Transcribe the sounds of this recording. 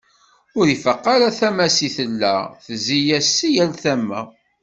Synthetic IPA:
ʊɾifqːɑɾaθæmæsiθəlːæ̰θəzijæsːijælθæmːæ̰

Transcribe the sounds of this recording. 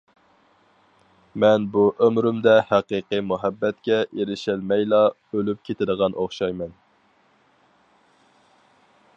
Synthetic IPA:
mɛnbuʔømɾymd̪ɛhæqiqɨmuɦɛbːɛt̪kʲɛʔeɾɪʃɪlmɛjlˠɑ | ølyp̚kʲʰet̪ʰɪd̪əʁɑnʔoχʃɑjmɛn

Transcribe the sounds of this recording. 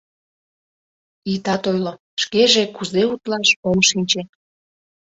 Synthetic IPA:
it̪ɑt̪ojlo | ʃkeʒekuzeut̪lɑʃoŋʃinʲt͡ɕe

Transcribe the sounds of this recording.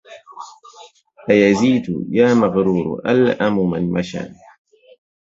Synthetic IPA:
ʔajaziːd̪̰jaːmaɣɾuːɾ̰ʔalʔamʊma̰nmaʃa̰

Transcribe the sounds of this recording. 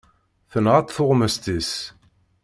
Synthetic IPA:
θənʁat̪ˤθʊʁməst̪is

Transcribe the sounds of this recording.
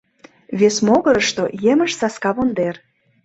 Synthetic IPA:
βesmoɣəɾəʃt̪ojeməʃsɑskɑβond̪er

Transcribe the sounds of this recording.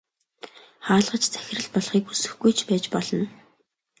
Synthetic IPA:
χaːɮʁə̆t͡ɕt͡sʰæ̥xʲɪ̆rɘ̆ɮpɔɮχiːkusɘ̆xɡujt͡ɕʰpæːt͡ɕpɔɮɞ̆n

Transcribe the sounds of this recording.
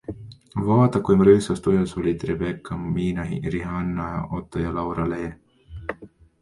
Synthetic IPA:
vɑːt̪ɑkujmɾɯːsɑst̪ujɑsolʲit̪ɾebekːɑmiːnɑɦḭɾiɦɑnːɑ̰ʔot̪ːojɑlɑwɾɑleː

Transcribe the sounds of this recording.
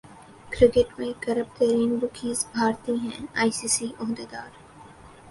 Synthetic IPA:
kɾɪkɪʈmẽkɐɾəb̚t̪əɾiːnbʊkʰiːzbʱaːɾt̪iɦɛ̰̃aːisiːsiʔɔɦd̪eːd̪aːɾ

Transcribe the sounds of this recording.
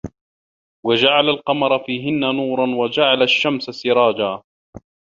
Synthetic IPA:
wad͡ʒaʕalalqɑmɑɾˤɑfiːɦɪnːanuːɾˤɑnwad͡ʒaʕalaʃːamsasɪɾˤɑːd͡ʒaː

